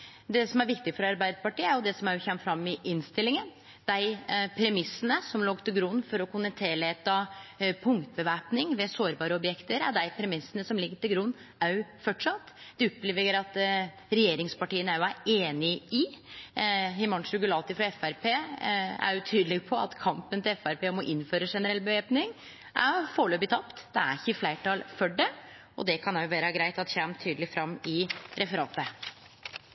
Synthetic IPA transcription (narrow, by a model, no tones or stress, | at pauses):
d̪ɛsɔmæɾʋɪkt̪ɪɡfɔɾɑɾbæɪd̪pɑʈiːəæɾjʊd̪ɛsɔmæjʊçɛmːfɾɑmːɪʔɪnst̪ɪlːɪŋən | d̪̥æɪpʰɾɛmɪsːənəsɔmloːɡt̪ʰɪlɡɾʉnːfɔɾɔkʊnɛnt̪ʰeːlɛt̪ːɑpʰʊŋkt̪bəʋæːpnɪŋʋɛsoːɾbɑːɾəɔbjɛkt̪əɾæ̰d̪æɪpʰɾɛmɪsːənəsɔmlɪɡːəʈɪlɡɾʉnː | æɾjʉfɔʈʂɑt̪ːd̪̥ɛʊpːleːʋəəɾɑt̪ | ɾɛjeːɾɪŋspɑʈiːənæjʊæɾeːnɪɪ | hɪmɑnʂʉɡʉlɑːlt̪ɪfɾɑɛfæɾpʰeːæ̰ɾjʉt̪ʰyːd̪əlɪɡpʰɔɑ̰t̪kʰɑmpənt̪ɪlɛfæɾpeːɔmɔʔɪnːføːɾəʂɛnəɾɛlbəʋeːpnɪŋ | ʔæ̰foːɭøːbɪt̪ʰɑpt̪d̪̥ɛæ̰ɾɪçːəɪflæɪʈɑlfɔɖɛ | ɔ̰d̪ɛkʰɑnæjʊʋeːɾəɡɾæɪt̪ɑt̪çæmt̪ʰyːd̪əlɪfɾɑmːɪɾʔɛfəɾɑːt̪ə